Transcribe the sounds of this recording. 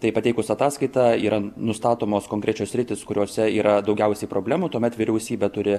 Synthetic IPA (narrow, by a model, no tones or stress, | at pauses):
t̪ɐɪpɐtʲɛɪkʊsɐt̪ɑːskɐɪt̪ɑiːɾɐnʊst̪ɑːt̪oːmoːskoːŋkɾʲæt͡ʃʲoːsʲɾʲɪt̪ʲɪskʊɾʲoːsʲɛiːɾɐd̪ɐʊɡʲɛʊsʲɛɪpɾoːbʲlʲæːmuːt̪uɔmʲɛt̪ʋʲɪɾʲɛʊsʲiːbʲɛt̪ʊɾʲɪ